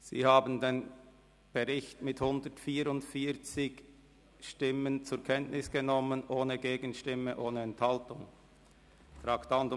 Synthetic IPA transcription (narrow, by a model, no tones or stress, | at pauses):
z̥ḭːhaːbən̩deːn | b̥əʁɪçtmɪthʊndətfiːɾʊntfiːɐt͡sɪç | ʃtɪmənt͡sʊɐkʰɛntnʔɪsɡ̥ənɔmənʔoːnəɡeːɡənʃtɪməʔoːnəɛnthaltʊŋ | fʁaːktand